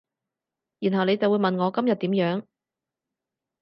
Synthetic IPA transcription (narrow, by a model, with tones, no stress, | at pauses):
jiː˨˩nɦɐ˨wne˨˧jt͡sɐ˨wu˨˧jmɐ˨nŋɔː˨˧kɐ˥mjɐ˨t̚t̪iː˨˥mjœː˨˧˥ŋ